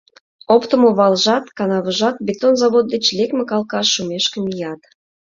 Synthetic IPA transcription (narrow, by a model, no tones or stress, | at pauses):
opt̪ə̆moβɑlʒɑt̪kɑnɑβə̆ʒɑt̪̚bʲet̪onzɑβot̪̚d̪et͡ɕlʲekmekɑlˠkɑsːumeʃkəmijɑt̪